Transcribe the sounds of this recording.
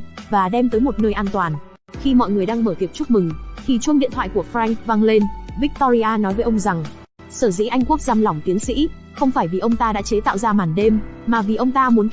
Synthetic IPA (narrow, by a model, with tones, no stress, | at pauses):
vaː˨˩ɗɛ˧mt̪əː˨˦jmo˨˩t̚nəː˧jʔaː˧nt̪waː˨˩n | xi˧mɔ̰˧˨jŋɨ˨˩əjɗaː˧ŋməː˧˩t̪i˨˩əp̚t͡ɕʊ˦˥k͡p̚mɨ˨˩ŋt̪ʰi˨˩t͡ɕu˧ənɗḭ˧˨t̪ʰwa̰ː˧˨jku˧˩əfɾa˧ŋk̚vaː˧ŋle˧nvi˦˥k̚t̪ɔ˧zi˧ʔaː˧nɔ˨˦jvəː˨˦jʔə˧wŋ͡mza˨˩ŋ | səː˧˩zḭ˧˥ʔa˧jŋ̟ku˦˥ək̚zaː˧mlwŋ͡mt̪i˨˦əŋsḭ˧˥ | xə˧wŋ͡mfaː˧˩jvi˨˩ʔə˧wŋ͡mt̪aː˧ɗa̰ː˧˥t͡ɕe˨˦t̪a̰ː˧˨wzaː˧maː˨˩nɗe˧mːaː˨˩vi˨˩ʔə˧wŋ͡mt̪aː˧mu˨˦n